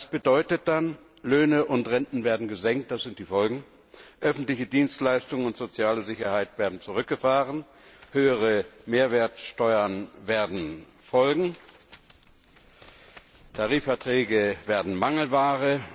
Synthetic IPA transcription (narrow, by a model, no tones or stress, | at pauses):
sb̥ədɔʏtət̚d̥an | løːnəʔʊntʁɛntn̩veːɐdn̩ɡəzɛŋk̚t̚d̥asz̥ɪnt̚d̥iːfɔlɡŋ̩ | ʔœfn̩tlɪçədiːnstlaɪstʊŋənʊntz̥ot͡sjaːləzɪçɐhaɪtv̥eːɐdn̩t͡sʊʁʏk̚ɡ̥əfaːʁən | høːəʁəmeːɐveːɐt͡sʃtɔʏɐnveːɐdn̩ | fɔlɡŋ̩ | tʰaʁiːfɛɐtʁ̥ɛːɡəveːɐdn̩maŋl̩vaːʁə